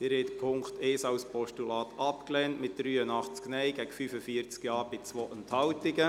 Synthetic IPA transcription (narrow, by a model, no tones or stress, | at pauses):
tɪɾhɛɪt̪pʰʊŋkt̪eːsɑwspɔʃtulɑːt̪ʰɑpklɛːntmɪt̚d̥ɾyːənɑχt͡sknɛjɡɛɡ̥əfyfəfiəɾt͡skjɑːɾb̥ɪt͡sʋoːʔənthɑltɪɡə